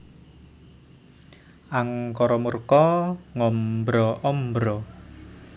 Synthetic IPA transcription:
ʔaŋkɔɾɔmurkɔŋɔmbɾɔʔɔmbɾɔ

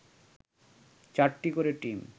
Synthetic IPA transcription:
t͡ɕaʈʈikoɾeʈim

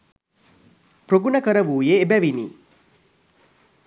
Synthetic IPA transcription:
pɾoɡunəkəɾəʋuːjeːbæʋiniː

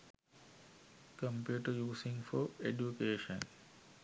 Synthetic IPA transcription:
kə̃mpjuːʈəɾjuːsɪ̃ŋfɔɾed͡ʒukeːʃə̃n

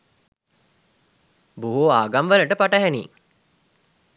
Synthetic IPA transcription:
buɦoaːɡamʋæləʈəpaʈəɦænḭːŋ

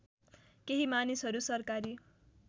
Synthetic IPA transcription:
keɦimanisɦʌɾusʌrkaɾi

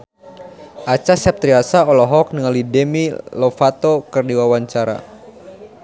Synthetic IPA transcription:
ʔat͡ʃasɛp̚t̪ɾiasaɔlɔɦɔk̚nəŋalidɛmilɔfat̪okɨrdiwawaɲt͡ʃaɾa̰

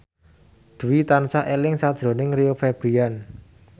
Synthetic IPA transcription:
d̪̥ṳwit̪ansaʔelɪŋsad̥ʒ̥ɾo̤nɪŋriofeb̥ɾian

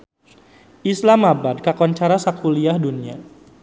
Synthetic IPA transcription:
ʔislamabad̚kakɔnt͡ʃaɾasakuliahdunia̰

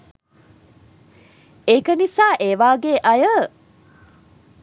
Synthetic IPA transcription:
ekənisaːʔeʋaːɡeʔɐjə

